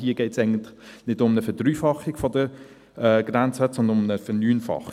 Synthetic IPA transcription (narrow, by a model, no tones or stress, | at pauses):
hiəɡ̥ɛɪtsɛɪɡəntnɪdʊmnəfəd̥ɾyːfɑχːiɡ̥fɔdə | ɛːɡ̥ɾænt͡səsɔndəʊmnəfənyːnfɑ̰χ